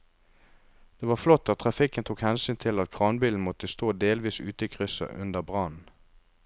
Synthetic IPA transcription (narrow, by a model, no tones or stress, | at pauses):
d̪̥eːʋɑːʁflɔt̪ːɑtt̪ʰʁɑfɪkənt̪ʰuːkhɛnsyːnt̪ʰɪlɑt̪̚kʰʁɑːnbiːln̩mɔt̪əst̪oːd̪eːlʋiːsʉ̰ːt̪əiːkʰʁʏsə̰ʔʉ̰nd̪əʁbʁɑnn̩